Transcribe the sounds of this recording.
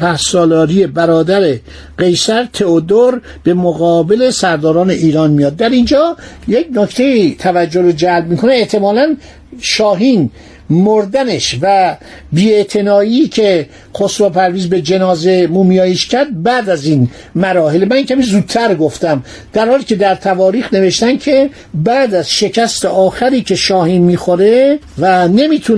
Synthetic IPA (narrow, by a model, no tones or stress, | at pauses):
pʰæhsɒːlɒːɾije̞bæɾɒːd̪æɾe̞ | ɢe̞jsæɾt̪ʰe̞od̪oɾ | b̥e̞moɣɒːbe̞le̞sæɾd̪ɒːɾɒːne̞ʔiːɾɒːnmijɒːd̪̚ːæɾind͡ʒɒːjeknokʰt̪ʰe̞it̪ʰævæd͡ʒːoɾod͡ʒælb̚miːkʰo̞neːʔt̪ʰe̞mɒːlæn | ʃɒːɦiːn | moɾd̪æneʃvæbiːe̞t̪ʰe̞nɒːiːcʰe̞ | qosɾopʰæɾviːzbe̞d͡ʒe̞nɒːze̞muːmijɒːjeʃcʰæɾd̪̚bæːd̪æzin | mæɾɒːɦelmænjecʰʲæmiːzuːd̪̚t̪ʰæɾɡoft̪æm | d̪̥æɾhɒːliːcʰe̞d̪æɾt̪ʰævɒːɾiːxne̞ve̞ʃt̪ænkʰe̞ | bæːd̪æz̥ʃe̞cʰæst̪eʔɒːxæɾiːcʰe̞ʃɒːhiːnmiːxoɾe | væne̞miːt̪ʰu